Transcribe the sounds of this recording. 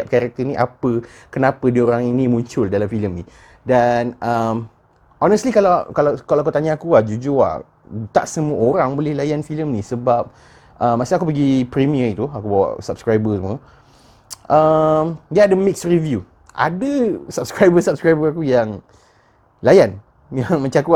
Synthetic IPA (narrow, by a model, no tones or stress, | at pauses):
ap̚kaɾak̚t̪əniʔapə | kənapədioɾaŋinimũɲt͡ʃʊldalamfiləmni | danəm | ʔɔnəst̪likalakalakalawakut̪aɲaakuahd͡ʒud͡ʒola̰h | t̪a̰ʔsəmuəʔoɾaŋbolɪhlajanfiləmnĩsəbap̚ | ʔəmːasiakupəɡipɾimiəit̪uakubawa̰ʔsap̚skɾajbəsəmũə | ʔəmdiaaʔdəmiksrivju | ʔa̰dəsab̚skɾajbəsap̚skɾajbəakujaŋ | lajan | jaŋmãt͡ʃaŋaku